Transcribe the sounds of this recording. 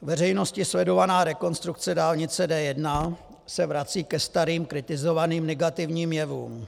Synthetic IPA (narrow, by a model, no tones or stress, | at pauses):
vɛrɛjno̞scɪslɛdo̞vanaːɾɛko̞nst̪ɾuk̚t͡sɛdaːlɲɪt͡sɛdɛːjɛdna | sɛvɾat͡siːkɛst̪aɾiːmkɾɪt̪ɪzo̞vaniːmnɛɡat̪ɪvɲiːmjɛvṵːm